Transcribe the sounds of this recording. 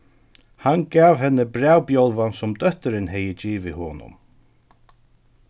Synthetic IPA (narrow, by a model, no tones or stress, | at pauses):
hanɡaːvhɛnːɪbɾaːwpjɔlvansʊmd̪œht̪ɪɾɪnhɛjɪt͡ɕiːʋɪhɔːnʊ̰m